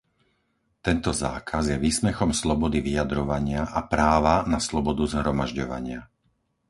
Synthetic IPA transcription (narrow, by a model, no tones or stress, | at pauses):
t̪ɛnt̪ɔza̰ːkʰazjɛʋiːsmɛxɔmslɔbɔd̪iʋijad̪ɾɔʋaɲɪaʔapɾaːʋanaslɔbɔd̪uzɦɾɔmaʒɟɔʋa̰ɲɪa